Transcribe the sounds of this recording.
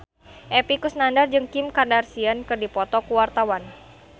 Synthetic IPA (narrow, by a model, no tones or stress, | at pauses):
ʔɛpikusnandard͡ʒɨŋkɪmkadarsiankɨrdipɔt̪ɔkuwart̪awan